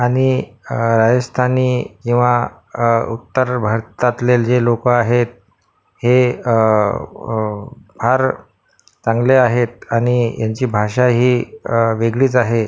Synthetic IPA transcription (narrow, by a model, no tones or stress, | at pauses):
aɽ̃iɾad͡zəst̪ʰaniːkĩw̃ʋa | ṵt̪ːəɾbʱəɾt̪at̪leld͡zelokəaɦet̪̚ | he | bʱaɾ | t͡sãŋɡleaɦet̪̚aɽ̃ijaɲt͡ɕiːbʱaʂaɦiːʋeɡɭiːt͡saɦe